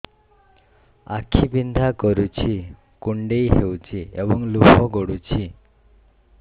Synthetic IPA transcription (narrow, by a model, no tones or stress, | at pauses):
akʰibind̪ʱakɔɾut͡ʃʰi | kuɳɖejɦewt͡ʃʰiebɔŋlupʰɔɡɔɽut͡ʃʰi